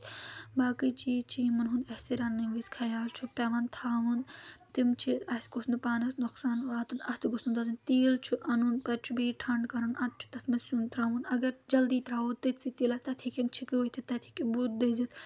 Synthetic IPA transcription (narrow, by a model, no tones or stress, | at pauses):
baːkit͡ʃiːt͡ʃʰimɐnɦund̪ɐhsiɾaːnːiʋiskʰɐjaːlt͡ʃʰupɐʋɐnt̪ʰaːʋunt̪imt͡ʃʰiɐskosnd̪paːnɐsnuksaːnʋaːt̪unɐst̪ʰɡusnund̪ɐzint̪iːlt͡ʃʰuʔɐnunpɐt͡ʃʰubiːʈʰɐɳɖkɐɾɐnɐt̪̚t͡ʃʰu̥t̪ɐt̪ʰmɐsunt̪ɾaːʋunɐɡɐɾd͡ʒɐld̪it̪ɾaːutt̪it̪sit̪ilɐt̪ɐt̪ʰikint͡ʃʰikiot̪ʰit̪ɐt̪ʰi̥kibut̪̚d̪ezit̪